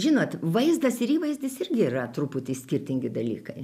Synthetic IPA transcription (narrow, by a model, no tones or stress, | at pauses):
ʒʲɪnoːt̪ʋɐɪzd̪ɐsɪɾiːʋɐɪzʲd̪ʲɪsɪrʲɡʲɪirɐt̪ɾuːpʊt̪ʲiːsʲkʲɪrʲt̪ʲɪŋʲɡʲɪd̪ɐlʲiːkɐɪ